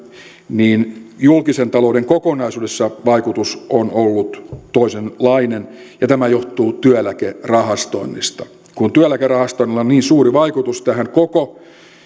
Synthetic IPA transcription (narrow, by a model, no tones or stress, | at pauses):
niːnjulkisent̪ɑloudeŋkokonɑisuːdesːɑʋɑikut̪usonolːut̪t̪oisenlɑinen | jɑt̪æmæjoht̪uːt̪yælækerɑhɑst̪o̰inːḭst̪ɑ̥ | kunt̪yælækerɑhɑst̪oinːilːˑonniːnsuːriʋɑikut̪ust̪æhæŋkoko